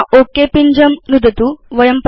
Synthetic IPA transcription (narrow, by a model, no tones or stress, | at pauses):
ʔokːepiɲd͡ʒɐmnud̪ʱɐt̪uʋɐjɐmp